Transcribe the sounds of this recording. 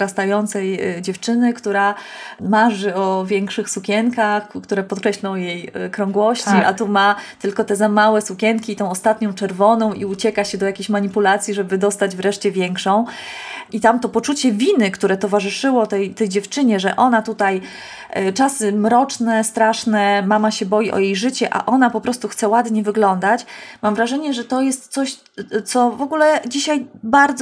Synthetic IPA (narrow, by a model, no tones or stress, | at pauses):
ɾast̪ajɔnt̪sɛjd͡ʑɛft͡ʂɘnɘkt̪uɾa | maʐɘɔvʲjɛŋkʂɘxsukʲɛŋkaxkt̪uɾɛpɔt̪̚kɾɛɕlɔ̃w̃jejkɾɔ̃ŋɡwɔɕt͡ɕiʔat̪umat̪ɘlkɔt̪ɛzamawɛsukʲɛŋkʲiːt̪ɔ̃w̃ɔst̪at̪ɲɔ̃w̃t͡ʂɛɾvɔnɔ̃w̃ʔiut͡ɕɛkaɕɛd̪ɔjakʲeɕmaɲipulat̪sʲjiʐɛbɘd̪ɔst̪ad͡ʑvɾɛʂt͡ɕɛvʲjɛŋkʂɔ̃w̃it̪amt̪ɔpɔt͡ʂut͡ɕɛvʲinɘkt̪uɾɛt̪ɔvaʐɘʂɘwɔt̪ɛjt̪ɛjd͡ʑɛft͡ʂɘɲɛʐɛʔɔn̪at̪ut̪aj | t͡ʂasɘmɾɔt͡ʂnɛst̪ɾaʂnɛmamaɕɛbɔjiʔɔ̰jejʐɘt͡ɕɛʔa̰ʔɔnapɔpɾɔst̪uxt̪sɛwad̪ɲɛvɘɡlɔnd̪at͡ɕmamvɾaʐɛɲɛʐɛt̪ɔjɛst̪t̪sɔɕ | t̪sɔvɔɡulɛd͡ʑiɕajbaɾd̪z